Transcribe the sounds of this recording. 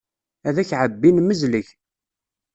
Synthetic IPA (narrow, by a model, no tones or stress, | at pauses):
æðæçʕəbːinməzləç